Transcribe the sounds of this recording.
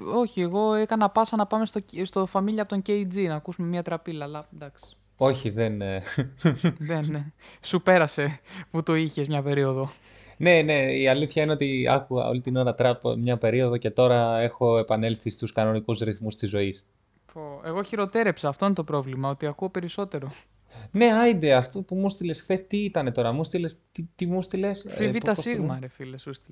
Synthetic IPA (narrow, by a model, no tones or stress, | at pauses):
oçieɣo̞ekɐnɐpɐsɐnɐpɐme̞st̪ost̪ofɐmiʎɐpot̪oɲceid͡zinɐːkusume̞mɲɐt̪ɾɐpilɐːlɐd̪ɐksi̥ | o̞çiðen | ðensupe̞ɾɐse̞put̪oiçe̞zmɲɐpe̞ɾio̞ðo̞ | ne̞ne̞iɐliθçɐineot̪iɐ̰kuɣɐ̰o̰lit̪ino̞ɾɐt̪ɾɐpmɲɐpe̞ɾio̞ðo̞ce̞t̪o̞ɾɐe̞xo̞e̞pɐne̞lθist̪uskɐno̞nikuzɾiθmust̪izo̞is | poe̞ɣo̞çiɾo̞t̪e̞ɾepsɐːft̪o̞inet̪o̞pɾo̞vlimɐo̞t̪iɐkuope̞ɾiso̞t̪e̞ɾo̞ | ne̞ɐid̪eɐft̪opumust̪ilesxθe̞st̪iit̪ɐne̞t̪o̞ɾɐmust̪ilest̪it̪imust̪ile̞sfivipt̪ɐssiɣmɐɾefilesust̪i